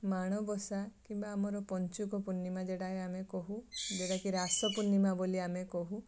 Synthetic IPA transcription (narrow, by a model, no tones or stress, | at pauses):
maɽ̃ɔbɔsakimbaːmɔɾɔpɔnt͡ʃukɔpunːimad͡ʒeɽaɦeamekɔɦud͡ʒeɽakiɾasɔpunimaboliamekɔɦu